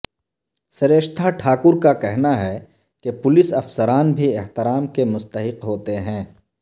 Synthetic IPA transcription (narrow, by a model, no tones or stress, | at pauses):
sɐɾeːʃt̪ʰaʈʰaːkʊɾkakɛɦnaɦɛ | kepʊlɪsɐfsəɾaːnbʱieɦt̪ɪɾaːmkemʊst̪əɦɪqɦoːt̪eɦɛ̃ː